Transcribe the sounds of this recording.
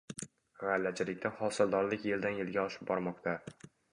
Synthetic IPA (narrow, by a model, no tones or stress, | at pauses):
ʁalːat͡ʃʰɪlɪk̚ʲt̪ahɒsɪlˠd̪ɒɾlɪkʲjeld̪anjelɡʲaɒʃɪ̥p̚bɒɾmɒqt̪ʰa